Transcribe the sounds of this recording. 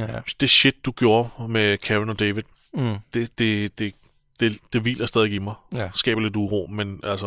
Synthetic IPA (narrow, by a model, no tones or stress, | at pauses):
d̥e̝ɕe̝d̥̚ːuɡ̥jo̝ːɐmekʰæʁenɒ̽d̥eʋidˠ | d̥e̝d̥e̝d̥e̝ | d̥e̝d̥e̝ʋḭːlɐsd̥ɛðˠeɡ̥imɑ̈ɪsɡ̥ɛ̰ːb̥ɐle̝d̥uʁo̝̰ːmenʔæl̰sə